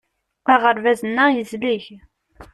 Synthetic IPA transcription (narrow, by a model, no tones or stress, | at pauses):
æʁəɾvæzənːæjəzliç